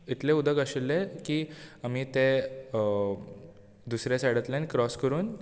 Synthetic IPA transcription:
it̪lẽud̪ʱəɡaɕilːekiːam̤iːt̪e | d̪usɾjasaɽət̪lẽnkɾɔskəɾuːn

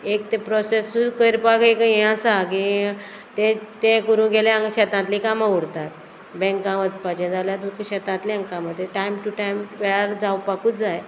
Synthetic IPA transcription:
ekt̪epɾɔsesukəjɾpakekjãsaki | t̪ẽt̪ẽkəɾũɡeljãəɕɛt̪ãt̪lĩkamauɽt̪at̪ | bɛ̃ŋkãʋəd͡zpat͡ɕɛ̃d͡zaljat̪ukɕɛt̪ãt̪lĩə̃ŋkãməd̪ʱːjeʈajmʈuʈajmʋɛɭaɾd͡zawpakuːt͡sd͡zaj

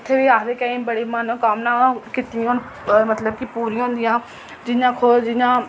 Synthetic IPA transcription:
ɪt̪ʰːeːʋiːaːkd̪eːkəĩːmbəɽiːmənõːkəmnãːkit̪ĩo | mət̪ləb̚kipuːɾĩːɦʊ̃nd̪ɪjãː | d͡ʒɪjãːkʰod͡ʒɪjãː

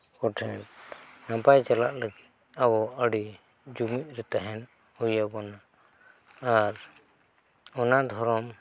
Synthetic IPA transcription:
kɔʈʰɛnnãpajt͡ʃalaʔləɡit̪̚awɔəɽi | d͡ʒumit̚ˀɾɛt̪aɦɛn | ujabɔnaː | ɾ | ɔnad̪ʱɔɾɔm

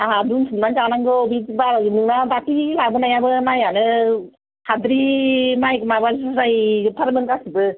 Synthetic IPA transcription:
aadunsɯnmand͡ʒanaŋɡɯɔbitibaɾnɯŋnadakilabɯnajabɯmajanɯ | hʰadɾimajkɯmabasɯzajɯpʰaɾmɯŋkasɯbɯ

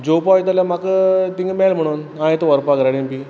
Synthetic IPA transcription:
d͡ʑopɔjt̪̬aljamakət̪iŋɡmɛlm̤əɽ̃uːnãet̪əʋəɾpaɡɾaɽempi

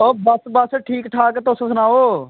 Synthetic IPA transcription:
oːbəsbəsʈʰiːkʈʰaːkt̪ʊssənaːoː

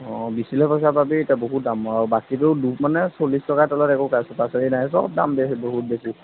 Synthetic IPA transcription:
ɔ̃bisilɛpɔs̬ababitaboɦut̚damɔaɹubakit̬ʊdupmanɛsolistɔkatɔlɔtɛkokasɔpasaɹinajsɔ̰b̚da̰mbeboɦut̚besi

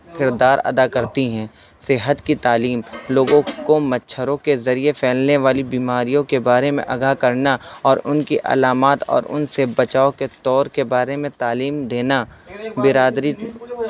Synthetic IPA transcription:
kɪɾd̪aːɾɐ̰d̪akɐɾt̪iɦɛ̃ː | sɪɦət̪kit̪aːliːmloːɡõkomɐtːʃʰəɾõkezɐɾiefʰɛːlneʋaːlibiːmaːɾijõkebaːɾemḛ̃ʔɐɡakɐɾnaɔːɾʊnkiʔɐ̰laːmaːt̪ɔ̰ːɾʊ̰nsebɐt͡ʃaːoket̪ɔːɾkebaːɾemẽt̪aːliːmd̪eːnabɪɾaːd̪ɾi

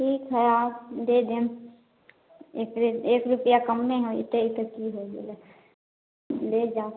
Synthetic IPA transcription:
ʈʰiːkɦɛaːpd̪eːd̪em | eːkɾeːkɾʊpjakəmːẽɦoɪ̰t̪eɪt̪əkːiɦoːelɛ | leːd͡ʒaː

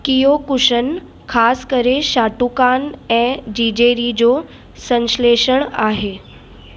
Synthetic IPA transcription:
kijokʊʃən | kʰaːskəɾeʃaːʈukaːnɛ̃ːd͡ʑiːd͡ʑeːɾid͡ʑo | sə̃nsleːʃəɽ̃aːɦeː

